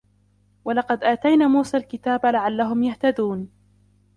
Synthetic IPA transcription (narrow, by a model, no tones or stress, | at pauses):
walɑqɑd̪ʔaːt̪ajnaːmuːsaːlkɪt̪aːbalaʕalːaɦʊmjaht̪ad̪uːn